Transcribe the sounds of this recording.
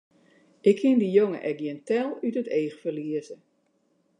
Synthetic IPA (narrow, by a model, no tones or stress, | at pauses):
ʔɪkʰːɪndijoŋə̰ʔɛk̚jɪntɛlˠytəteːxfərliəzə